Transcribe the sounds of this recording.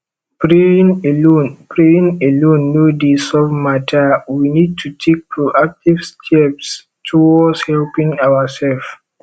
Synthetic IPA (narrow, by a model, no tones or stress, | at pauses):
pɾenonpɾejĩŋɛlonːodisɔfmatawinid̚tʰutʰek̚pʰuʔak̚tivstʰɛps | tʰuwɔshɛlpĩŋawasɛlf